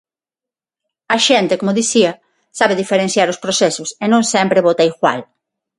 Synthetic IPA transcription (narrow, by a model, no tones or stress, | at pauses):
ɐʃɛnt̪ekomʊðiθiɐ | saβeðifeɾẽn̟θjaɾʊspɾosɛsʊsenõŋsɛmpɾeβot̪aiɣwa̰l